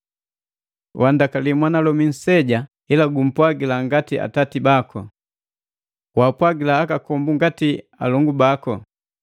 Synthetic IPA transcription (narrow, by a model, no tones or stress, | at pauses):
wʔandakalimwanalɔmin̩sɛɟa | ilaɡum̩pwaɡilaŋɡatiʔa̰tatibakɔ̰ | wapwaɡilaːkakɔmbuŋɡati | a̰lɔŋɡubakɔ